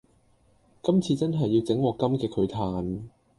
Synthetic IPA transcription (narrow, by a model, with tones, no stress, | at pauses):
kɐ˥mt͡sʰiː˧t͡sɐ˥nɦɐ˨jːi˧wt͡sɪ˨˥ŋwɔː˨˧kɐ˥mkɛː˧kʰɵ˨˧ɥt̪ʰaː˧n